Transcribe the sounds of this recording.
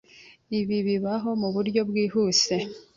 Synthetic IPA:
iβiβiβaɦo̞muβuɾɟo̞bɡiːhuːse̞

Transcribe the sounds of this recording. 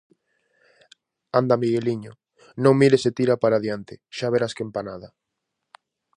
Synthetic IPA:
and̪amiɣeliɲo | nõŋmiɾeset̪iɾapaɾaðjant̪ɪʃaβeɾaskempanaða

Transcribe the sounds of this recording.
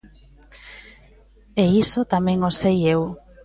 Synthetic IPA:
eisot̪amẽŋosejew

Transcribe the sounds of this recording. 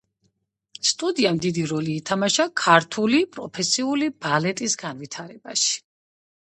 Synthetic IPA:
st̪ʼud̪iamd̪id̪iɾɔliːt̪ʰamaʃakʰaɾt̪ʰulipʼɾɔpʰɛsiulib̥alɛt̪ʼisɡan̪vit̪ʰaɾɛbaʃi̥

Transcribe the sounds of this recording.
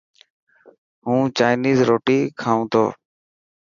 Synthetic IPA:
ɦũːt͡ʃaːɪniːzɾoːʈiːkʰaːũːt̪ʰo̰ː

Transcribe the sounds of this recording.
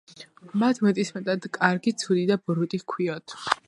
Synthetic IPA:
mat̪ʰmɛt̪ʼismɛt̪ʼad̪kʼaɾɡit̪sʰud̪id̪abɾut̪ʼikʰwiɔt̪ʰ

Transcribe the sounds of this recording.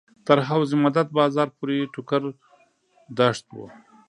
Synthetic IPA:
t̪əɾɦawzimad̪at̪̚bɑːzɑːɾpuɾeʈʊkaɾ | d̪aʂt̪wo̰

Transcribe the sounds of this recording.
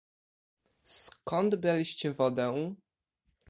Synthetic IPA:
skɔnd̪bʲjalʲiɕt͡ɕɛvɔd̪ɛw

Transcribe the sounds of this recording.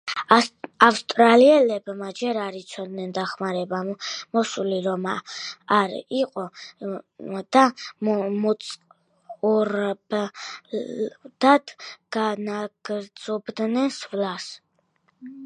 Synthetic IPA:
afst̪ʼɾaliɛlɛbmad͡ʒɛɾaɾit̪sʰɔd̪nɛnd̪aχmaɾɛbamɔsuliɾɔmaaɾiqʼɔ | d̪̥a | mɔt̪sʼ | uɾb | d̪̥ad̪ɡ̥anaɡ̥ɾz̥ɔbd̪nɛnsvlas

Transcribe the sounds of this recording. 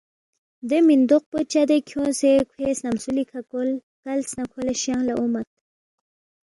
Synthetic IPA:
d̪əmind̪oq̚pət͡ʃad̪ekʰjõsekʰwesnamsulikʰakol | kalsnakʰolaʃjaŋlaʔumat̪̚

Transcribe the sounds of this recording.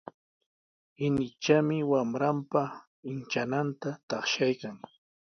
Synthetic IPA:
ɪnɪt͡ʃamɪwamɾampa | ɪnt͡ʃanant̪at̪ɑχʃajkaŋ

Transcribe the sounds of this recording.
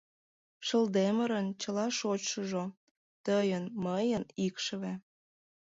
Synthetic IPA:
ʃəld̪eməɾənt͡ɕəlɑʃot͡ɕʃəʒo | t̪əjənməjənikʃəβe

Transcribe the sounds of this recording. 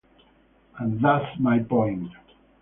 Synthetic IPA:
ə̃nðatmajbɔ̃j̃nd

